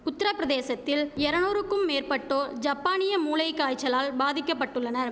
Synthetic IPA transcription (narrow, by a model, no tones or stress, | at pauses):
ʊt̪ːɪɾɐpːɪɾɐðeːsɐt̪ːɪlɛɾɐnoːɾɯkːɯmːeːrpɐʈːoːd͡ʒɐpːaːnɪjɐmuːlɐɪkːaːjt͡ʃːɐlaːlbaːðɪkːɐpːɐʈːɯɭːɐnɐɾ